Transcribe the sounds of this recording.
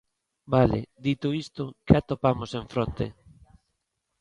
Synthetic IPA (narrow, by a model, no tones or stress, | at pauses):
balḛd̪it̪ʊist̪ʊkeat̪opamosẽɱfɾont̪ḛ